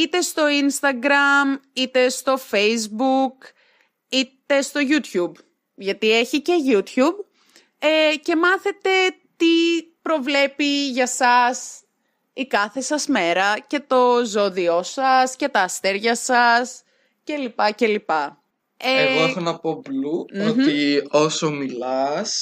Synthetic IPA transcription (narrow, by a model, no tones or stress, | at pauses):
it̪e̞st̪o̞inst̪ɐɡɾɐmit̪e̞st̪o̞fejzbuk | it̪e̞st̪o̞ʝut̪çub | ʝɐt̪ie̞çice̞ʝut̪çub | ece̞mɐθe̞t̪e̞ | t̪ipɾo̞vle̞piʝɐsɐs | ikɐθe̞sɐzme̞ɾɐce̞t̪o̞zoðio̞sɐsce̞t̪ɐːst̪e̞ɾʝɐsɐs | ce̞lipɐce̞lipɐ | eeɣoexonɐpo̞bluoio̞somilɐs